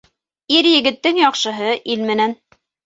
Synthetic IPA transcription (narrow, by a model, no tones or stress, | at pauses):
iɾjɘ̆ɡɘ̆t̪ːɘŋjɑqʃɤ̆ɦɤʔilmɘ̆næn